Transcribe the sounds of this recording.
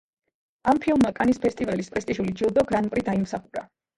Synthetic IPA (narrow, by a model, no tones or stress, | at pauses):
ampʰilˠmːakʼanispʰɛst̪ʼivalispʼɾɛst̪ʼiʒulid͡ʒilˠd̪ɔɡɾanpʼɾid̪aimsaχuɾa̰